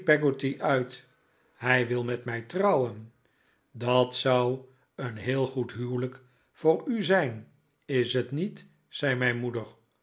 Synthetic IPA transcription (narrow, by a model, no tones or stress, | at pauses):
pɛɡotiʔœɥt | hɛjʋɪlˠmɛtmɛjtrɑwən | dɑtsʌw | ənɦɪːlˠχutɦywlək | fʊːɹyzɛjn | ɪsɦətnit | sɛjmɛjnmudəɹ